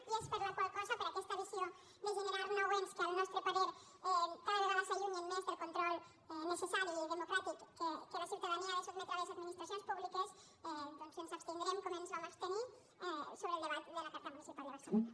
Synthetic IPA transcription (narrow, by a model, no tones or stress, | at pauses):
iespeɾlakwalkasapeɾakɛst̪aðisjo | d̪elʒeneɾaɾnawenskalnɔst̪ɾepaðeɾ | paɾaðeβaðasaʎumemmesp̪eɾkont̪ɾɔlˠ | nesesaɾjueld̪emokɾat̪ikːekelasjuwt̪aðaniaðesozlet̪ɾaðesad̪minist̪ɾas̬jonspuβlikes | ɛnt̪onsensapst̪eŋɡ̪ɾemkomẽnsamast̪eni | ɛsoβɾeld̪eβat̪d̪elakaɾt̪amunisipaɾjəðeɾsaluɲa